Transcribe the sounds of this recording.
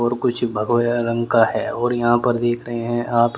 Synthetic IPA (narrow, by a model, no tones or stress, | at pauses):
ɔːɾkʊt͡ʃʰbʱɐɡʋeɾə̃ŋɡkaɦɛːɔːɾjɐɦãpɐɾd̪eːkʰɾɐɦeɦɛ̃ʔaːp